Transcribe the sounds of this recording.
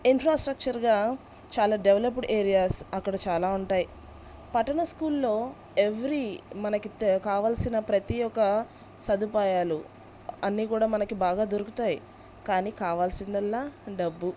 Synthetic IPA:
infʰɾaːsʈɾɐk̚t͡ʃɐɾɡaː | t͡ʃaːlaːɖeʋlɐp̬ɖeːɾijaːsɐkːɐɽɐt͡ʃaːlaːuɳʈaːji | pɐʈːɐɳɐskuːlːo̞ː | e̞ʋɾimɐnɐkikaːʋaːlsinɐpɾɐt̪ijɔkɐ | sɐd̪upaːjaːlṵ | ɐnːiːkuːɽaːmɐnɐkibaːɡaːd̪oɾuku̥t̪aːji | kaːniːkaːʋaːlsind̪ɐlːaːɖɐbːu

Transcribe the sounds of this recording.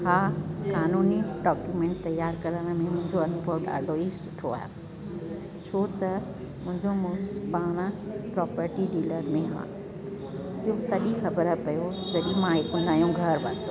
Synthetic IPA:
haːkaːnuːniɖɔːkjumẽːɳʈt̪ɐjaːɾkɐɾəɽ̃ə̆mẽmʊ̃ɦɪ̃ɲd͡ʑoɐnpoːɾa̰ːɖʱoisʊ̥ʈʰoa̰ːɦḛ | t͡ɕʰoːt̪ɐ | mʊ̃ɦɪ̃ɲd͡ʑomʊsbaːɽ̃əpɾɔːpəɾʈiɖiːləɾmẽɦã̰ː | iɦot̪ɐɗixɐbəɾəpɐjod͡ʑɐɗĩmãɦɪkʊ̃nd̪aːijũɡʱɐɾbɐ̃nt̪o

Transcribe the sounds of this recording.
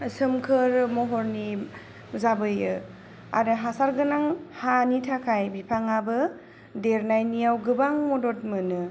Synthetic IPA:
sɯmkʰɯɾmɔɦɔɾni | zabɯjɯ | a̰ɾɯɦasaɾɡɯnaŋhanitʰakʰajbipʰaŋabɯ | deɾnajnijawɡɯbaŋmɔdɔt̚mɯnɯ

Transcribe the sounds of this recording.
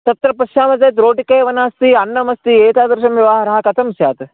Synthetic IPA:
t̪ɐt̪ɾɐpɾɐʃaːmɐd͡zɐːt̪̬ɾoːʈikeːʋɐnaːst̪iɐnːɐmɐst̪ieːt̪aːd̪ɐɾʃɐmjɐʋaːɦɐɾɐɦɐkɐt̪ʰɐmsjaːt̪

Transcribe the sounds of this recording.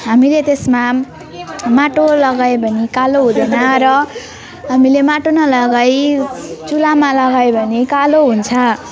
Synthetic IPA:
ɦamilet̪esma | maʈolʌɡajbʱʌnikaloɦũd̪ʌnʌɾʌ | ɦamilemaʈonʌlʌɡajt͡sulamalʌɡajbʱʌnikaloɦunt͡sʰʌ

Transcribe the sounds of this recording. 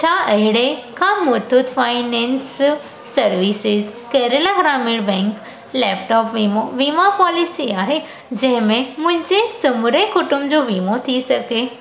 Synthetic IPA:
t͡ɕʰaːɐɦɪɽekʰãːmʊɾd̪ʊd̪faːɪnɛ̃ːnsː | ɐɾʋiːsɪzkɐːɾəlaɡɾaːmɪɽbɛ̃ːŋk | lɛːp̚ʈɔːpʋiːmoʋiːmapɔːlisiaːɦe | d͡ʑɐ̃ɦɪ̃mẽmʊ̃ɦɪ̃ɲd͡ʑesʊmʊɾekʊʈʊmd͡ʑoːʋiːmot̪ʰisɐɡeː

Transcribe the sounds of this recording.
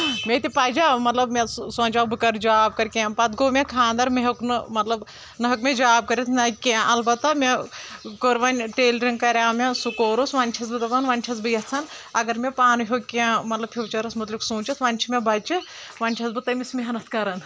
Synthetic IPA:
mʲet̪ipaːd͡ʒamɐt̪lɐbmʲessõːnʲt͡ʃaːbɨkɐɾd͡ʒaːb̚kɐɾkʲẽːmpɐt̪ɡoːmʲekʰãːnd̪ɐɾmeɦɐknɨmɐt̪lɐb | nɐɦɐkmʲed͡ʒaːb̚kɐɾit̪ʰnɐkʲeʔɐlbɐt̪ːɐmʲekoɾʋɐnʲʈeːlɾiŋkɐɾʲãːmʲesukoːɾusʋanʲt͡ʃʲʰɐsbɨt̪ɐbɐnʋɐːnʲt͡ʃʲʰɐsbɨjɐt͡sʰɐn | ɐɡɐɾmʲepaːnɦʲjokʲːemɐt̪lɐb̚pʲʰiʋt͡ʃɐɾɐsmɐt̪liksuːt͡ʃɐt̪ʰʋɐnʲt͡ʃʰimʲebɐt͡ʃɨʋɐnʲt͡ʃʰɐsbɨt̪ɐmʲismʲiɦɐnɐt̪̚ʰkɐɾɐn

